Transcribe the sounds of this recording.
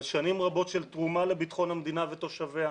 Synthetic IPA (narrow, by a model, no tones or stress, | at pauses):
lʃanimʁabo̞tʃelt̪ʁumalebit̪χo̞nhamd̪inave̞t̪o̞ʃavea